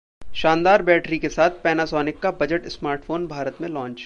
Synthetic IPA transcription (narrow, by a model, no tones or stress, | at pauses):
ʃaːnd̪aːɾbɛːʈɾikesaːt̪̚ʰpɛːnasɔːnɪkːabɐd͡ʒəʈɪsmaːɾʈfoːnbʱaːɾət̪mẽlɔ̃ːnt͡ʃ